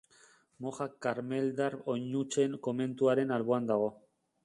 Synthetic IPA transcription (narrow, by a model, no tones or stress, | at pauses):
mo̞xakːaɾme̞ld̪aɾo̞ɲut͡ʃe̞ŋko̞me̞nt̪uaɾe̞nalβoand̪aɣ̞o̞